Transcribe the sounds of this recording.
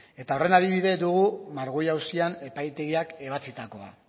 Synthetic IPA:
e̞t̪ao̞re̞nað̞iβ̞iðe̞d̪uɣ̞umaɾɣojawsiane̞pajt̪e̞ɣiake̞βat͡sit̪ako̞a̰

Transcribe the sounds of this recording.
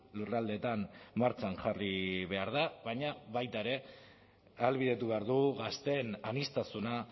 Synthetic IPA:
lurald̪e̞ːt̪anmaɾt͡ʃanʝariβe̞aɾðaβaɲaβajt̪aeɾe̞ | alβiðet̪uβe̞aɾðuɣast̪e̞nanist̪asuna

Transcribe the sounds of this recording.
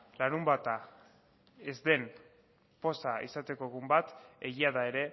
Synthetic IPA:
laɾumbat̪a | e̞zd̪e̞m | po̞saḭsat̪e̞ko̞eɣ̞umbat̪e̞ɣiaðae̞ɾe̞

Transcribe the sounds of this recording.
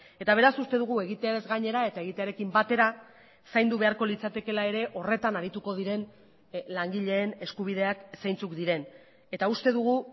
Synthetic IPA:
e̞t̪aβ̞e̞ɾasust̪e̞ð̞uɣ̞ue̞ɣ̞it̪eaɾe̞zɡaɲe̞ɾae̞t̪ae̞ɣit̪e̞aɾe̞kimbat̪e̞ɾa | sajnd̪uβe̞aɾko̞lit͡sat̪eke̞lae̞ɾe̞ʔo̞re̞t̪anaɾit̪uko̞ð̞iɾe̞n | laŋɡiʎe̞ːne̞skuβ̞ið̞e̞aksajnt͡sukd̪iɾe̞n | e̞t̪aust̪e̞ðuɣ̞u

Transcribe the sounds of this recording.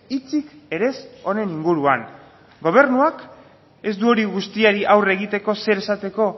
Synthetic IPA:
it͡sike̞ɾe̞so̞ne̞niŋɡuɾuan | ɡo̞β̞e̞ɾnuak | e̞zd̪uo̞ɾiɣust̪iaɾiʔawre̞ɣ̞it̪e̞ko̞se̞ɾe̞sat̪e̞ko̞

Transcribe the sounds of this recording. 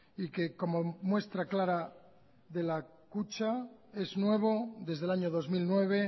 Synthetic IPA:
ike̞ko̞momwe̞st̪ɾaklaɾa | ðe̞la | kut͡ʃae̞znwe̞β̞oðe̞zðe̞laɲoðo̞zmilnwe̞β̞e̞

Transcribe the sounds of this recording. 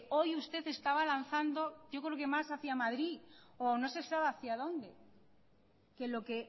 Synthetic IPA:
o̞just̪e̞θe̞st̪aβalanθand̪o̞ɟ͡ʝo̞kɾeoke̞masaθiamaðɾioano̞se̞saβaθiað̞o̞nd̪e̞ | ke̞lo̞ke̞

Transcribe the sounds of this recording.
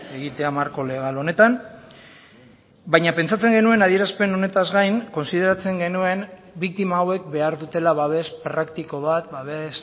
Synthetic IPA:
e̞ɣit̪e̞amaɾko̞le̞ɣ̞alo̞ne̞t̪am | bajɲape̞nt͡sat͡se̞ŋɡe̞nue̞naðie̞ɾaspe̞no̞ne̞t̪azɣajŋko̞nsiðe̞ɾat͡se̞ŋɡe̞nue̞n | bik̚t̪imaːwe̞k̚be̞aɾðut̪e̞laβaβe̞spɾakt̪iko̞β̞at̪baβes

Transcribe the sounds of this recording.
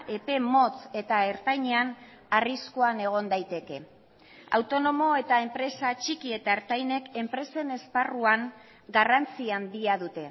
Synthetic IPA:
ʔe̞pe̞mo̞t͡se̞t̪ae̞ɾt̪ajɲean | ariskoane̞ɣ̞o̞nd̪ajt̪e̞ke̞ | a̰wt̪o̞no̞mo̞e̞t̪ae̞mpɾe̞sat͡ʃikie̞t̪aeɾt̪ajne̞ke̞mpɾe̞se̞ne̞sparuaŋ | ɡarant͡siand̪iaðut̪e̞

